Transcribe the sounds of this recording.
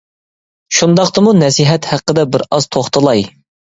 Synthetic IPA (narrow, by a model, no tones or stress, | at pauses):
ʃund̪ɑqt̪ɨmunɛsiɦɛt̪hæqːəd̪ɛbɪɾɑz̥t̪ʰoχt̪əlˠɑj